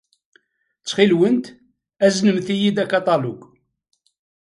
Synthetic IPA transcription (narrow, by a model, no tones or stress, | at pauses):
t͡sːχilwənt̪ | æznəmθijid̪ækɑt̪ˤɑluɡ